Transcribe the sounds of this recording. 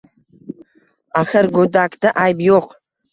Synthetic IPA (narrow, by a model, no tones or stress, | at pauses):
aχəɾɡod̪akd̪aʔajbjoq